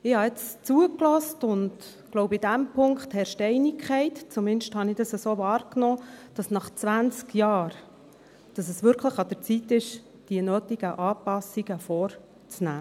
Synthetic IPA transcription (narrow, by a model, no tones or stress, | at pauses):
ɪhɑɪt͡st͡suəklɔstʊnd | ɡ̥lɔʊbidæmpʰʊŋkχt̪hɛɾʃtɛɪnikʰχɛɪtt͡sumɪnʃthɑnɪd̥ɑsəsoːvɑːɾknɔːd̥ɑsnɑχt͡sʋænt͡skjɑːɾ | d̥ɑsɛsʋʏɾkχləχɑd̥̪əɾt͡sit̪ːɪʃ | d̥iənøːtiɡ̥əʔɑːpɑsiɡəfɔːɾ | t͡snæː